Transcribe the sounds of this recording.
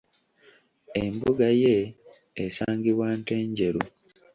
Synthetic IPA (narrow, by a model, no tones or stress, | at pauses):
emboɡajeː | saːŋɡiβwaːnte̞ːɲɟe̞ɾu